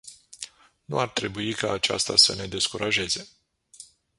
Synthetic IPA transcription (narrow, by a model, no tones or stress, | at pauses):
nṵart̪ɾe̞buikaːt͡ʃa̰st̪a̰səne̞d̪e̞skuɾʔaʒe̞ze̞